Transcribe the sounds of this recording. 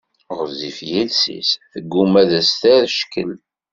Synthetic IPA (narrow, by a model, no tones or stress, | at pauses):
ʁəzifjilsḭsθəɡːumæðæst̪æɾʃkəl